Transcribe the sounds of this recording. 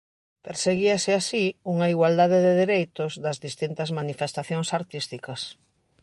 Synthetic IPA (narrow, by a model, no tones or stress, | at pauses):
peɾseɣiɐsɪasiuŋɐiɣwald̪aðeðeðeɾejt̪ʊzðɐzðist̪int̪ɐzmanifest̪aθjoŋsaɾt̪ist̪ikɐs